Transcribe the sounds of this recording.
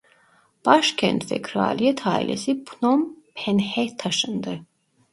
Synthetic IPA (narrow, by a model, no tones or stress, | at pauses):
b̥aʃkʰɛ̰nt̪ʰvɛ̰kʰɾa̰lijɛt̪ʰaːḭlʔɛ̰sipʰnɔmpʰɛnhɛt̪ʰaʃɯnd̪ɯ